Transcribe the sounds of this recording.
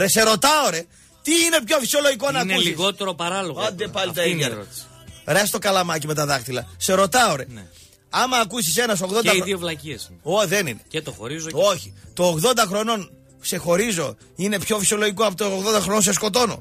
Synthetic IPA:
ɾese̞ɾo̞t̪ɐoɾe̞ | t̪iine̞pço̞fi̥sio̞loʝikonɐnkusliɣot̪eɾopɐɾɐloɣoɐnd̪epɐlit̪ɐiɾot̪i̥sɾest̪o̞kɐlɐmɐc̬ime̞t̪ɐðɐxt̪ilɐse̞ɾo̞t̪ɐoɾe̞n | ɐmɐːkusise̞nɐsoɣðoɐiðiovlɐciesoðenḭnecet̪oxo̰ɾizoo̞çi̥t̪oːɣðo̞nd̪ɐxɾo̞no̞n | kse̞xo̞ɾizo̞ | ine̞pço̞fisio̞lo̞ʝik̬oɐpot̪oːɣðond̪ɐxɾonons̬e̞sko̞t̪̬o̞no̞̰

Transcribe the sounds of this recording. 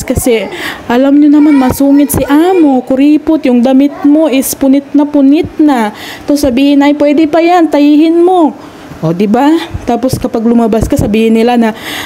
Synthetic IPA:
kɐsɛʔɐlamɲʊnɐmanmɐsuːŋɪt̪sɪʔaːmo̞kʊɾiːpʊt̪jʊŋd̪ɐmɪt̪̚mo̞ʔɪspʊnɪt̪̚nɐpʊnɪt̪̚nɐt̪osɐbiːhɪnɐjpwɛd̪ɪpɐjant̪ɐjiːhɪnmo̞ | ʔod̪ɪbat̪aːpo̞skɐpaɡlʊmɐbaskɐsɐbiːhɪnːɪlanɐ

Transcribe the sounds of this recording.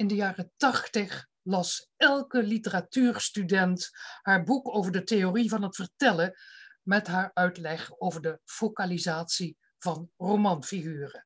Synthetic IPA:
ɪndəjaːrətɑχtəχ | lɑsɛlˠkəlitəratyːɹstydɛnthaːɹbukowvəɹdətejorivɑnɦətfəɹtɛləmɛtɦaːɹœɥtlɛχowvəɹdəfokalizaːtsi | v̥ɑnrowmɑnfiχyːrə

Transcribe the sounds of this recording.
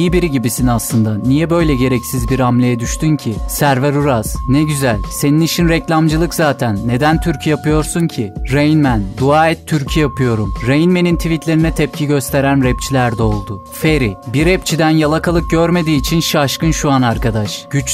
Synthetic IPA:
ijibiɾiɟibisinaslˠɯnd̪anijɛbø̞jlʲɛɟe̞ɾɛcsizbiɾamlʲejɛd̪yʃt̪ʰyncʰisæɾvɛɾuɾaz̥nɛɟyzælʲse̞ninit͡ʃʰinɾɛclʲamd͡ʒɯlˠɯkzaːt̪ʰænːe̞d̪ænt̪ʰyɾcʰyjapɯjo̞ɾsuncʰiɾejinmænd̪uaːɛt̪ʰːyɾcʰyjapʰɯjo̞ɾumɾejinme̞nint̪ʰivit̪ʰlʲe̞ɾinɛt̪ʰɛp̚cʰiɟø̞st̪ʰe̞ɾænɾɛp̚t͡ʃʰilʲæɾd̪ɛo̞lˠd̪ʊ | feɾibiɾɛp̚t͡ʃʰid̪ænjalˠakʰalˠɯk̚ɟøɾme̞d̪iːt͡ʃʰinʃaʃkɯnʃuanaɾkad̪aʃɟ̥yt͡ʃ

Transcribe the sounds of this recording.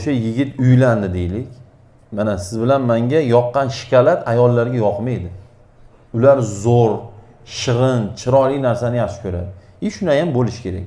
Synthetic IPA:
oʃajɪɡʲɪt̪ʰʊjland̪ɪd̪ejlɪkʲ | manasɪzbɪlanmaŋɡʲajɒqːɑnʃɪ̥kʲʰalat̪ʰajɒlˠːaɾɡʲajɒqʰmejd̪ɪ | ʊlaɾzoɾ | ʃɨʁɨnt͡ʃʰɪɾɒlɪjnaɾsanɪjaχʃɪ̥kʰɵɾa̰d̪ɪ | iʃʊnajambolɪʃɪ̥kʲʰe̞ɾa̰k̚ʲ

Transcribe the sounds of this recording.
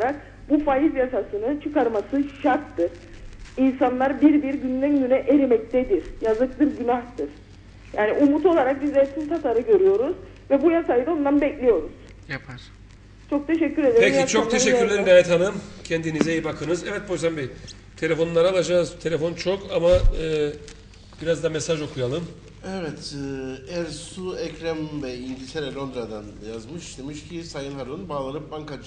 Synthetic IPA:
aɾak̚ | bufajizjasasɯnɯt͡ʃʰɯkaɾmasɯʃaɾt̪ːɯɾ̥ | insanlˠaɾbiɾbiɾɟynlʲæmnynɛʔeɾimɛc̚t̪ʰɛd̪iɾ̥jazɯk̚lˠɯɾɟynaht̪ʰɯɾ̥ | jaːniʔumut̪o̞lˠaɾak̚bizɛsimt̪ʰat̪ʰaɾɯɟø̞ɾyjo̞ɾuz̥ | vɛbujasajɯd̪ao̞nd̪anbɛclʲijo̞ɾuz̥ | japʰaɾ | t͡ʃʰo̞k̚t̪ʰe̞ʃɛcʰːyɾe̞d̪eɾejiat͡ʃʰok̚t̪ʰeʃɛːyɾlʲeɾimɡaːjɛt̪hanɯmcʰɛnd̪inizejibakʰɯnɯzɛvɛt̪̚bojsambi | t̪ʰe̞lʲe̞fo̞nlˠaɾaːlˠad͡ʒaːzt̪ʰe̞lʲefo̞nt͡ʃʰo̞kamaɯː | b̥iɾazd̪amesaʒo̞kʰujalˠɯm | ɛvɛt̪ʰː | ɛɾsuɛcɾɛmvɛind̪ʲit̪ʰeɾɛlʲo̞nd̪ɾad̪anjazmɯʃd̪emiʃcʰisajɯnhaɾɯnbaːlˠaɾɯp̚baŋkad͡ʒ

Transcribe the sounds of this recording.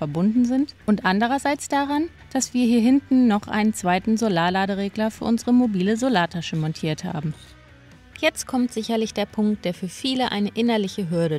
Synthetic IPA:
fɛɐbʊndn̩zɪntʔʊntʔandəʁ̞ɐzaɪt͡sd̥aʁan | d̥asv̥iːɐhiːɐɦɪntn̩ːɔχʔa̰ɪnənt͡sv̥aɪtn̩zolaːlaːɾəʁeːɡlɐfyːɐʔʊnzəʁəmobiːləzolaːtʰaʃəmɔntʰiːɐtha̰ːbm̩ | jɛt͡st̚kʰɔmtz̥ɪçɐlɪçd̥eːɐpʰʊŋkt̚d̥eːɐfyːɐfiːləʔa̰ɪnəʔɪnɐlɪçəɦʏɐɾə

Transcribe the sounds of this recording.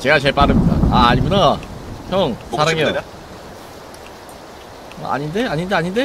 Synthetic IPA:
t͡ɕe̞ɡat͡ɕe̞ɭp͈aɾɯmitk͈a̰aːɲimunatʰʌŋsʰaɾaŋeo | ʌ̰ʔa̰ɲinde̞aɲindeaɲinde̞

